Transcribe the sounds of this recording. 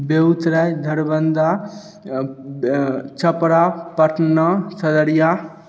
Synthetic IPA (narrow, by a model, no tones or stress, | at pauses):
beut̪ɾajd̪ʱəɾbənd̪ʱa | t͡ʃʰəpɾapəʈnəsəd̪əɾja